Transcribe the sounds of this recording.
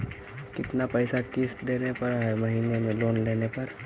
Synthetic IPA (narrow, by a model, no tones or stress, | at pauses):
kɪt̪napəɪsakɪsd̪eːnepɐɾɦɛmɐɦiːnemẽloːnleːnepɐɾ